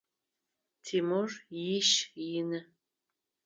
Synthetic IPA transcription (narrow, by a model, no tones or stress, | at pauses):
tʰimorjiʃjɪnɨ